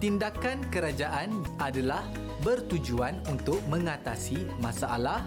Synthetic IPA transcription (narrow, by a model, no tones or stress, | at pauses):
t̪indakankəɾad͡ʒaʔanadalah | bərt̪ud͡ʒuanunt̪ʊk̚mə̃ŋat̪asimãsaʔalah